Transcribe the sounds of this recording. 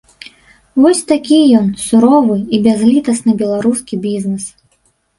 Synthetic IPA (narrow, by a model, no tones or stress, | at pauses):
vɔsʲt̪akʲijɔnsuɾɔvɨibʲazlʲit̪ɐsnɨbʲɛlˠaɾuskʲibʲiznɛs